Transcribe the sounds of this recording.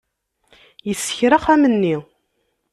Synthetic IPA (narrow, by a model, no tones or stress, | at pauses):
jəsːə̥çɾaχæmənːi